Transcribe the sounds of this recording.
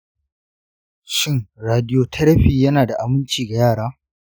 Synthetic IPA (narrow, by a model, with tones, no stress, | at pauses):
ʃɪ˦ŋɾaː˨dɪ˦joː˦tʰɐ˦ɽɐ˦ɸiː˨jɐ˦naː˨da˨ʔa˨mɪ˦nt͡ʃiː˨ɡa˨jaː˦˨ɽaː˦